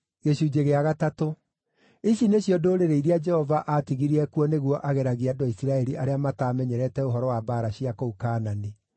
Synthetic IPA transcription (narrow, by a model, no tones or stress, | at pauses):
ɣeɕuːd͡ʒeɣeaɣatato | iɕineɕjɔdoːɾeɾeiɾead͡ʒɛhɔvaʔatiɣiɾiɛkuɔneɣwɔʔaɣɛɾaɣiadɔisiɾaɛɾiʔaɾeamataːmɛɲɛɾɛtɛoɦɔɾɔwabaɾaɕiakoukaːnani